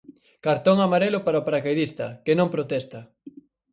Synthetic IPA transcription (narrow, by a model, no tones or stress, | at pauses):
kaɾt̪oŋamaɾelʊpaɾaopaɾakajðist̪ɐkenõmpɾot̪ɛst̪ɐ